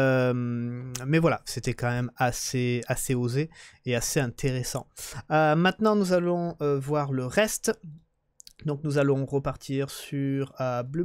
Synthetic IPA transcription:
ømmɛvwala̰set̪ɛkɑ̃mɛmaseaseozeːaseɛ̃t̪ʰeʁɛsɑ̰̃ømɛ̃t̪nɑ̃nuzalɔ̃øvwaʁləʁɛst̪ | d̪ɔ̃knuzalɔ̃ʁəpaʁt̪ʰiʁsyʁøbly

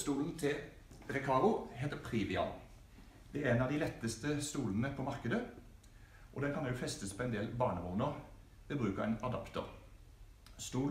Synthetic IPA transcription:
st̪uːln̩t̪ʰɪl | ʁɛkʰɑːʁʊɦeːt̪əpʰʁiːʋɪɑ̰n | d̪̥ɛæɾɛnɑʋd̪ɪlɛt̪ːəst̪əst̪uːlənəpʰɔmɑʁkəd̪ə | ʔɔ̰d̪ɛnkʰɑnɛjʊfɛst̪əspʰɔɛnd̪eːlbɑːɳəmuːnəʁ | ʋɛbʁʉːkəʁɛnɑd̪ɑpt̪ɔ̰ʁ | st̪uːl

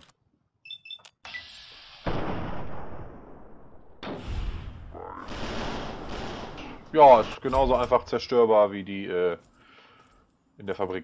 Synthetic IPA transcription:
jaːɪstɡ̥ənaʊzoʔaɪnfaχt͡sɛɐʃtøːɐbaːɐviːdiːʔɛː | ʔɪndeːɐfabʁiːk

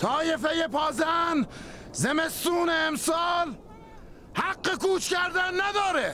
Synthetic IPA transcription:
t̪ʰɒːjefejepʰɒːzænzemest̪uːneːmsɒːl | hæɡːekuːt͡ʃʰkæɾd̪ænːæd̪ɒːɾe

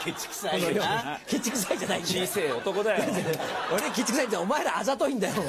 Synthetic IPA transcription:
kʲit͡ɕksaookʲit͡ɕːikɯ̟s̬aid͡ʑanaiiseːot̪okod̪ajoezeeoɾekʲit͡ɕːikɯ̥saĩomaeɾaazat̪oĩnd̪ajo

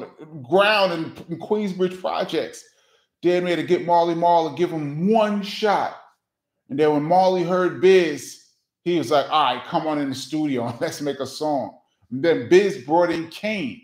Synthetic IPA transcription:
ɡɹãʊ̃ndɨ̃ñnkʰw̥ĩzbɹɪd̥ʒ̥pʰɹ̥ɑ̰d͡ʒɛk̚ts | d̥ɛd̚meɪɾɨɡɪt̚mɑɹlˠimɑlˠiɡɪv̥ə̃mwʌ̃nʃɑt̚ | ɨ̃nðɨ̃nwə̃nmɑlˠiɦɜ˞d̚bɪz̥ | hiwʌzlaɪkaɪkʰʌ̃mə̃nɨ̃nðɨstuɾioʊə̃nlɨtsmeɪkəsɔ̃ŋ | n̩ðɨ̃nbɪzbɹɔɾɪ̃nkʰẽɪ̃n

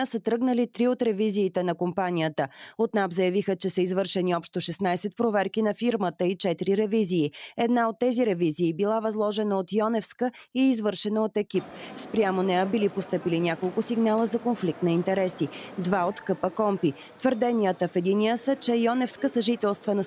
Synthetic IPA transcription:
əsət̪ɾɤɡnəlit̪ɾiot̪ɾɛviziːt̪ɛnɐkompanʲijət̪əot̪napzɐjɐvixət͡ʃɛsəizvɤɾʃɛniɔpʃt̪oʃɛsnajsɛt̪̚pɾovɛɾkinɐfiɾmət̪əit͡ʃɛt̪iɾiɾɛviziːɛd̪naot̪ːɛziɾɛviziːbilˠavɐzlˠɔʒɛnəot̪jɔnɛfskəiːzvɤɾʃɛnəot̪ɛkip̚spɾʲamonɛəbilipost̪ɤpilinʲakolˠkʊsiɡnalˠəzɐkonflik̚t̪nɐint̪ɛɾɛsid̪vaot̪kɤpəkɔmpi | t̪vəɾd̪ɛniət̪əfɛd̪inijəsət͡ʃɛjɔnɛfskəsəʒit̪ɛlˠst̪vənɐ

